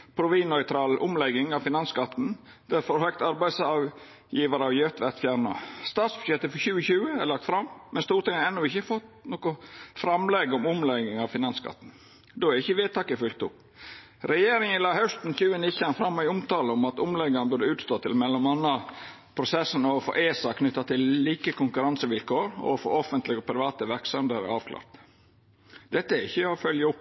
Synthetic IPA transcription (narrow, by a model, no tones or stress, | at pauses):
pʰɾʊʋiːnɔʏt̪ʰɾɑːlʔʊmlɛɡɪŋɑʋfɪnɑnskɑt̪n̩ | d̪̥æɾfɔɾhœkt̪ɑɾbæɪsɑʋ | jiːʋɑɾɑʋjœt̪ʋæɾt̪fjæɾɳɑ̰st̪ɑːt̪sbʉ̥ʂjɛt̪ːəfɔçʉːəçʉːəælɑk̚t̪fɾɑmmːɛnst̪uːɾt̪ɪŋɾɛnːʊɪçəfɔt̪noːkɔfɾɑmlɛɡɔmʊmlɛɡɪŋɑʋfɪnɑnskɑ̰t̪ːn̩ | d̪oːæɾɪçːəʋeːt̪ʰɑːkəfʏlk̚t̪ʊp | ɾɛjeːɾɪŋənlɑːhœst̪n̩çʉːənɪçɑnfɾɑmːɪʊmt̪ɑːləʊmɑt̪ʊmlɛɡɑnbʉɖəʉːt̪st̪oːt̪ʰɪlmɛlːɔmɑnːɑ | pʰɾʊsɛsːənɔɔfo̰ːʔeːsɑkʰnʏt̪ːɑt̪ʰɪlliːkəkʊŋkʉɾɑnsəʋɪlkoːɾɔ̰fo̰ːɔfənt̪lɪɡɔpʰɾɪʋɑːt̪əʋæɾksɑmd̪əɾə̰ɑːʋkʰlɑ̰ːɾt̪ | d̪̥ɛt̪ːəæɾɪçːəɔfœljəʊpː